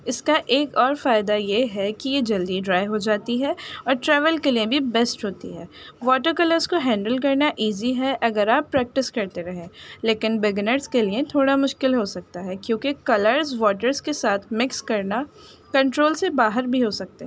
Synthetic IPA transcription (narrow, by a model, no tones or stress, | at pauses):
ɪskaʔeːkɔːɾfaːɪd̪ajeɦɛkijed͡ʒɐld̪iɖɾaːjɦod͡ʒaːt̪iɦɛɔːɾʈɾɛːʋəlkeliẽbʱibɛːsʈɦoːt̪ḭɦɛːʋɔːʈəɾkɐləɾzkoɦɛ̃ːɳɖəlk̬ɐɾnaʔiːziɦɛʔɐɡəɾaːpːɾɛːk̚ʈɪskɐɾt̪eɾɐɦẽleːkɪnbɛɡnəɾzkeliet̪ʰoːɽamʊʃkɪlɦosɐk̚t̪aɦɛkjõːkikɐləɾzʋɔːʈəɾzkesaːt̪ʰmɪkskɐɾna | kɐ̃ɳʈɾoːlsebaːɦəɾbʱiɦosɐk̚t̪eɦɛ